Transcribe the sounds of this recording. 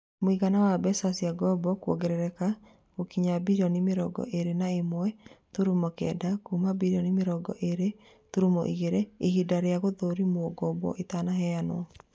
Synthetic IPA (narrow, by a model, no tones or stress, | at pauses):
moiɣanawabɛsasiaɡɔbɔkwɔ̰ɡɛɾɛɾɛka | ɣokiɲabiɾiɔnimeɾɔ̰ɡɔ̰ʔeɾenaemoɛtuɾumɔkɛ̰ːdakumabiɾiɔnimeɾɔɡɔ̰ʔeɾe | tuɾumɔ̰ʔiɣeɾeehidaɾeaɣoðoɾimwɔɡɔbɔ̰ʔetanaɦɛanɔ̰